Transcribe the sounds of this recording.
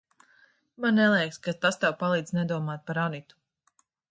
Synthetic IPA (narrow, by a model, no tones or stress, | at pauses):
mannɛlˠɛjkskat̪ast̪ɛwpalˠiːd̪znɛd̪uɔmaːt̪̚paɾanit̪u̥